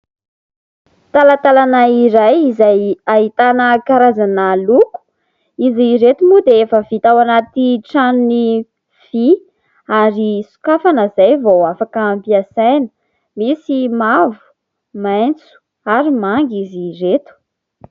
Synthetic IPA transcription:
t̪alət̪alanaiɾajizajaɦit̪anəkaɾazanəluku̥ | iziɾet̪umud̪eefəvit̪awanat̪iʈ͡ʂanuni | v̥i | aɾisu̥kafanəzajvowafakaːmpiasajnə̥ | misimavu̥ | majnt͡su̥ | aɾimaŋɡiziret̪u̥

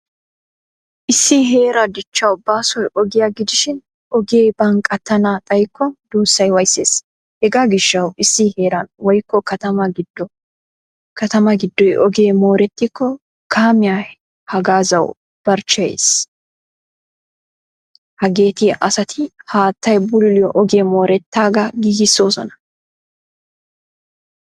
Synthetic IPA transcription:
ʔɪsːiɦe̞ːɾɐd̪ɪt͡ʃːɐwʊbaːsɔjʔɔɡɪjɐɡɪd̪ɪʃɪn | ɔɡeːbɐŋkʼɐt̪ːɐnaːt̪ʼɐjkːɔnd̪̥uːsːɐjwɐjsːeːs | hɛɡaːɡɪʃːɐwɪsːiheːɾɐnwɔjkːɔkɐt̪ɐmɐɡd | kɐt̪ɐmɐɡɪd̪ːɔjʔɔɡe̞ːmo̞ːɾɛt̪ːɪkʰːɔ | kʰaːmɪjaː | hɐɡaːzɐw | b̥ɐɾt͡ʃːɐjḛs | hɐɡeːt̪ɪʔɐsɐt̪ʰɪhaːt̪ːɐjbʊlʊlɪjɔʔɔɡeːmoːɾɛt̪ːaːɡɐɡiːɡɪsːo̞ːsɔ̰nɐ̥

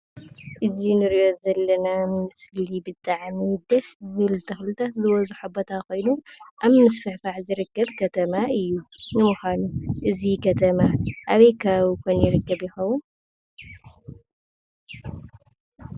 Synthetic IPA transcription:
ʔɨzinɨɾijo̞zɐlːɐnamɨsllibɨt̪ʼaʕmid̪ɐsɨzɨlt̪ʰɐxlɨt̪ʰat̪zɨwɐzuħubo̞t̪ʰakʰo̞jnuʔaβmɨsfɨħfaʕzɨɾɨkːɐβkʰɐt̪ʰɐmaʔɨjːunɨmuxanuʔɨzikʰɐt̪ʰɐmaʔaβɐjkʰaβukʰojnjɪɾɨkːɐβjɪxɐwːun

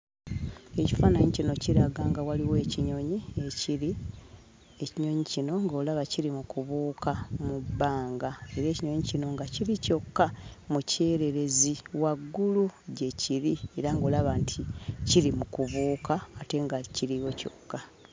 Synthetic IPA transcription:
e̞ci̥faːnaɲicino̞ciɾaɡaŋɡawaliwe̞ːciɲo̞ɲie̞ciɾi | e̞ciɲo̞ɲicino̞ŋɡoːlaβaciɾimukuβuːkʰamubːaːŋɡae̞ɾe̞ːciɲo̞ɲicino̞ŋɡaciɾico̞kːamuce̞ːɾe̞ɾe̞ziwaɡːuluɟe̞ciɾie̞ɾaŋɡo̞ːlaβaːntʰiciɾimukuβuːkaːte̞ŋɡaciɾiwo̞co̞kːa

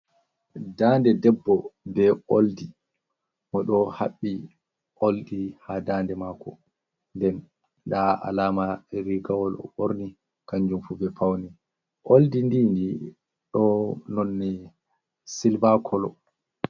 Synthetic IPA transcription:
dandɛdɛbːɔbɛoldi | mɔɗɔhaɓːi | ʔoldihadaːndɛmaːkɔ | ndɛn | ɗaa̰laːmaɾiɡawɔlɔ̰ɓoɾni | kaɲd͡ʒumfubɛpʰawni | ʔoldindindi | ɗɔnɔnːɛ | silbakʰɔlɔ̰

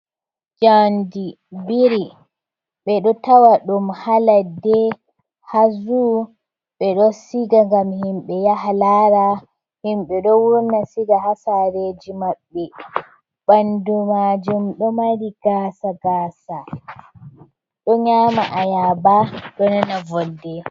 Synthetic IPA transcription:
d͡ʒandi | biɾi | ɓɛɗɔtawaɗumhaladɛ | hazu | ɓɛɗɔsiɡaŋɡamhimɓɛjahalaːɾa | himɓɛɗɔwuɾnasiɡaɦasaɾed͡ʒimaɓːɛ | ɓandumad͡ʒumɗɔmaɾiɡ̥aːsaɡaːsa | ɗɔɲaːmaʔajabaɗɔnanavɔdːɛ

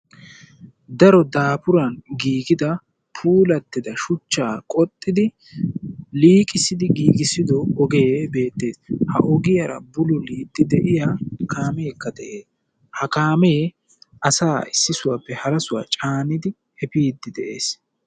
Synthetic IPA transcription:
d̪ɐɾɔd̪aːpʊɾɐnɡiːɡɪd̪ɐ | pʰuːlɐt̪ːɪd̪ɐʃʊt͡ʃːaːkʼɔt̪ʼːɪd̪ɪ | liːkʼɪsɪd̪ɪɡiːɡɪsɪd̪ɔːɡebe̞ːt̪ːe̞ːshɐ̰ʔɔɡɪjɐɾɐ̰bʊlʊliːd̪ːɪd̪ɛʔɪjaːkʰaːmeːkːɐd̪ɛʔeːs | hɐkaːme | ʔɐsaːɪsːɪsʊwaːpːɛhɐɾɐsʊwa̰ːt͡ʃʼaːnɪd̪ɪ | hɛpiːd̪ːɪd̪ɛʔe̞ːs

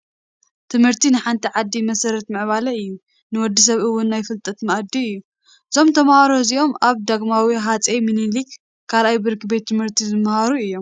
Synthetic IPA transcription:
t̪ʰɨmhɨɾt̪inɨħant̪ʰiʕad̪ːimɐsɐɾɐt̪mɨʕβalɐɨjːu | nɨwɔd̪ːis̬ɐβɨwːʊnːajfɨlt̪ʼɐt̪mɐʔd̪iɨjːu | ʔɨzo̞mt̪ʰɐmhaɾoziʔo̞maβd̪aɡmawiɦat͡sʼeminilik | kʰːalajbɨɾkɨbe̞t̪ʰːɨmhɨɾt̪ʰizɨmhaɾuɨjːo̞m

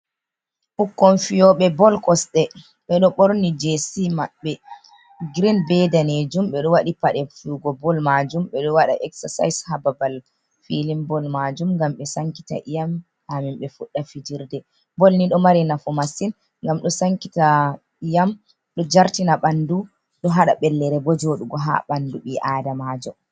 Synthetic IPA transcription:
fukːɔnfijɔɓɛbɔlkɔsɗɛ | ɓɛɗɔɓɔɾnid͡ʒesimaɓːɛ | ɡɾinbɛdaned͡ʒumɓɛɗɔwaɗipaɗɛfuɡɔbɔlmad͡ʒumɓɛɗɔwaɗa̰ʔɛksasa̰jshababal | filimbɔlmad͡ʒumŋɡamɓɛsaŋki̥ta̰ʔijam | hamimɓɛfuɗːafid͡ʒiɾdɛ | bɔlniɗɔmaɾinafɔmasin | ŋɡamɗɔsaŋkita | ijam | ɗɔd͡ʒaɾtinaɓandu | ɗɔɦaɗa̰ɓɛlːɛɾɛbɔd͡ʒoɗuɡɔɦa̰ɓanduɓiʔaːdamad͡ʒɔ

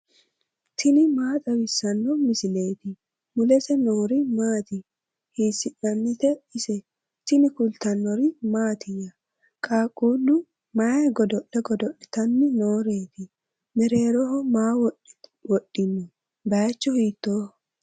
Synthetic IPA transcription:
t̪ʰɪnɪmaːt̪ʼɐwɪsːɐnːɔmɪsɪle̞ːt̪ɪ | mʊlɛsɛnoːɾɪmaːt̪ɪ | hiːsɪnːɐnːɪt̪ɛɪsɛ | t̪ɪnɪkʊlt̪ɐnːɔɾɪmaːt̪ʰɪjːɐ | kʼaːkʼuːlʊ | mɐjɐɡɔd̪ɔʔɛɡɔd̪ɔʔɛt̪ɐnːɪnoːɾeːt̪ɪ | mɛɾeːɾɔhɔmaːwɔwɔɗːɪnːʊ | bɐjt͡ʃːɔhiːt̪ːoː

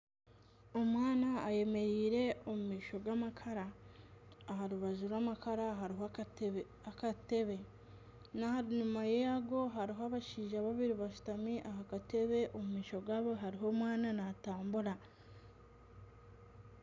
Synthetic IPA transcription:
o̞mwaːnaːje̞me̞ɾiːɾe̞o̞mumiːʃo̞ɡwamakʰaɾaː | ɦaɾuβazuɾwamakaɾaɦaɾiɦ | akate̞βe̞ | nahaɾinumajejaɡo̞ɦaɾiɦoaβaʃiːʒaβaβiɾiβaʃu̥tamiʔahakate̞βe̞ʔo̞mumiːʃo̞ɡwaβoɦaɾiɦo̞mwaːnanataːmbuɾa

